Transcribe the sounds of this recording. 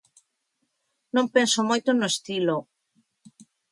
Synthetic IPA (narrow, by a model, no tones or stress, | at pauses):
nõmpɛnsomojt̪onoest̪ilo